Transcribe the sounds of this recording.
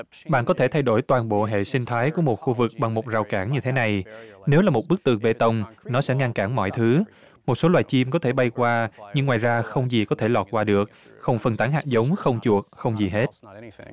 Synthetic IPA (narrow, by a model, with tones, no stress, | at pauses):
ɓa̰ː˧˨kɔ˨˦t̪ʰe˧˩t̪ʰa˧jɗo˧˩jt̪waː˨˩nɓo̰˧˨ɦḛ˧˨sï˧ŋ̟t̪ʰaː˨˦jku˧˩əmo˨˩t̚xu˧vɨ˨˩k̚ɓa˨˩ŋmo˨˩t̚zaː˨˩wkaː˧˩ŋɲɨ˧t̪ʰe˨˦na˨˩jne˨˦wlaː˨˩mo˨˩ɓɨ˦˥k̚t̪ɨ˨˩əŋɓe˧t̪ə˧wŋ͡mnɔ˨˦sɛ̰˧˥ŋa˧nkaː˧˩nmɔ̰˧˨jt̪ʰɨ˨˦ | mo˨˩t̚so˨˦lwaː˨jt͡ɕi˧mkɔ˨˦t̪ʰe˧˩ɓa˧jkwaː˧ɲɨ˧ŋːwaː˨˩jzaː˧xə˧wŋ͡mzi˨˩kɔ˨˦t̪ʰe˧˩lɔ˨˩t̚kwaː˧ɗɨ˨˩ək̚ | xə˧wŋ͡mfə˨˩nt̪aː˨˦nɦaː˨˩zə˨˦wŋ͡mxə˧wŋ͡mt͡ɕu˨˩ək̚xə˧wŋ͡mzi˨˩ɦe˦˥t̚